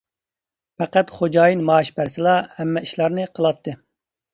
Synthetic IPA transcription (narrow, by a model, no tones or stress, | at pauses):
pɛqæt̪χod͡ʒɑːjinmɑːʃbæɾsɪlˠɑhɛmːɛiʃlˠɑɾnɨqʰəlˠɑt̪ʰːɨ